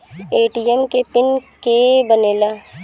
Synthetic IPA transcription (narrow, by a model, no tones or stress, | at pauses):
eːʈiɛmkepɪnkebəneːlaː